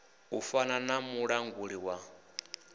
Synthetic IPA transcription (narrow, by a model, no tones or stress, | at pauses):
ufananamuɺaŋɡuɺiwa